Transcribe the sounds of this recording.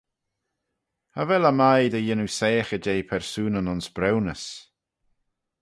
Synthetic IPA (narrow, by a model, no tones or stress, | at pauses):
ha̰vɛləmajd̪əjɪnusɛːxəd͡ʒejpʰɛɹsuːnənɔnsbɾɛwnəs